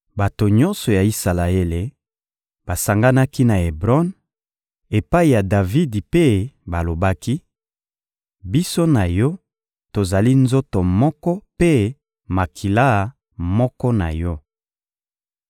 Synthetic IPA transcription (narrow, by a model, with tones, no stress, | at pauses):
ba˨to˨ɲɔ̃˦nsɔ˨ja˨i˦sa˨la˨e˦le˨ | ba˨sa˨ŋɡa˦na˦ki˦na˨e˨bʁɔ˦n | e˨pa˦i˨ja˨da˨vi˦dpe˦ba˨lo˨ba˦ki˦ | bi˦so˦na˨jɔ˦ | to˨za˨li˦nzo˦to˨mɔ˦kɔ˦pe˦ | ma˨kʰi˨la˦˨ | mɔ˦kɔ˦na̰˨jɔ˦